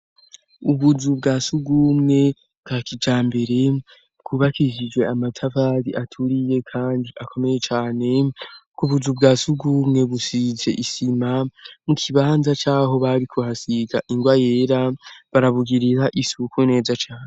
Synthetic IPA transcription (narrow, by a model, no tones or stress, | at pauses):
uβuzubɡaːsuɡumŋe̞ | bɡaːkid͡ʒaːmbe̞ɾe̞ | bɡ̥uːβakiʒid͡ʒɡwe̞amatʰavaːɾiʔatʰuɾije̞kʰaːndiʔakʰo̞me̞je̞t͡ʃaːne̞kuβuzubɡaːsuɡumŋe̞βusize̞ʔisimamukʰiβaːnzat͡ʃaːɦo̞βaɾikʰuhasiɡaʔiŋɡwaje̞ːɾaβaɾaβuɡiɾiɾaʔisukune̞ːzat͡ʃaːne